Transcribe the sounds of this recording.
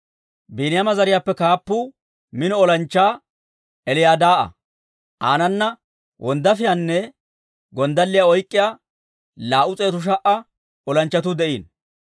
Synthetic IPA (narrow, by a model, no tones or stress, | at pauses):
biːnɪjamɐzɐɾɪjaːpːɛkaːpːuː | mɪnɔɔlɐnt͡ʃːaː | ɛlɪjaːd̪aːʔɐ̰ | ʔa̰ːnɐnːɐ | wʔɔnd̪ɐfɪjanːɛ | ɡɔnd̪ɐlːɪjaɔjkʼːɪjaː | laːʔʊt͡sʼeːt̪ʊʃ̬ɐʔɐ | ɔlɐnt͡ʃːɐt̪̬ʊd̪ɛʔiːn